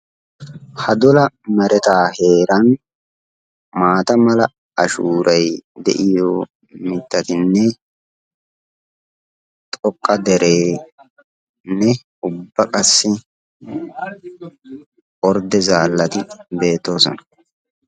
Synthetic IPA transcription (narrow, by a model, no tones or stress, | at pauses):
hɐd̪ɔlɐmɛɾɛt̪aːhe̞ːɾɐn | maːt̪ɐmɐlɐ | ɐʃuːɾʔɐjd̪ɛ̰ʔɪjoː | mɪt̪ːɐt̪ɪnːɛ | t̪ʼɔkʼːɐd̪ɛɾeː | nːɛ | ʊbːɐkʼɐsːɪ | ʔɔɾd̪ɛzaːlːɐt̪ɪbe̞ːt̪ːo̞ːsɔ̰nɐ̥